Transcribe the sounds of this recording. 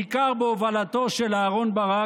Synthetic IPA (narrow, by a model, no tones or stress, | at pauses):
ikaʁbeovalat̪o̞ʃelaːʁo̞nbaʁa